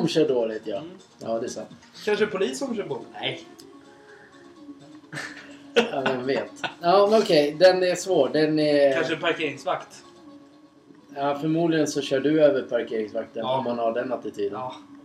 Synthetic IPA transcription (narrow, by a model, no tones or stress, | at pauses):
mɕœːɖoːlɪt̪ʰjɑ | jɑːd̪ɛːsant̪ | kʰanʂəpʰʊliːsɔmɕœːdoːlɪɛ | amɛnveːt̪ɑːmɛnɔkʰɛjd̪ɛnɛsvoːɖɛnɛkanʂəpaɾkʰeːɾɪŋsvakt̪ | jɑːfœɾmuːd̪lɪɡənsɔɕœːɖɵøːvəɾpʰaɾkʰeːɾɪŋsvak̚t̪ənɔmhanhaɖɛnːat̪ːɪt̪ʰyːd̪ən